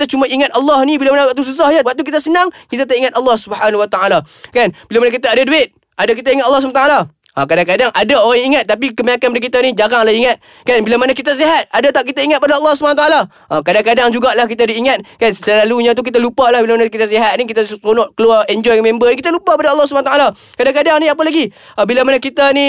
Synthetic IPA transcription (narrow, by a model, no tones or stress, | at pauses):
kit̪at͡ʃumaʔiŋat̪ɑlːɔhnibilamanawat̪̬us̬us̬ahɲawak̚t̪ukit̪asənaŋkit̪̬at̪̬aʔiŋat̪ɑlːɑhsubhanhuwat̪aalakanbilamanakit̪̬aadaduɪt̪̚ | ʔadak̬it̪aiŋat̪ʔɑlːɑs̬umat̪aala | ʔakadaŋkadaŋʔadaoɾaŋiŋat̪̚ːap̬ikəmaɲakanpadak̬it̪anid͡ʒaɣaŋlahiŋat̪̚ | kanbilamanakit̪as̬iɦat̪̚adat̪aʔkit̪aiŋat̪̚padaɑlːɑhsubanat̪aala | ʔakadaŋkadaŋd͡ʒuɡaʔlahkit̪adiːŋat̪̚kansəlaluɲãt̪̬uk̬it̪alupalahbilamanakit̪as̬iɦat̪̚nik̬it̪atonɔʔkəluaɛnd͡ʒɔjmẽmbənikit̪alupaəpadaɑlːɑhs̬ubanat̪aala | kadaŋkadaŋnĩap̬alaɡi | abilamanakit̪ani